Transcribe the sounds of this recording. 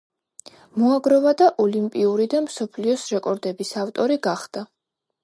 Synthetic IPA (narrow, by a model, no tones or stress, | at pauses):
mɔaɡɾɔvad̪aʔɔlimpʼiuɾid̪amsɔpʰliɔsɾɛkʼɔɾd̪ɛbisaft̪ʼɔɾiɡaχd̪̥a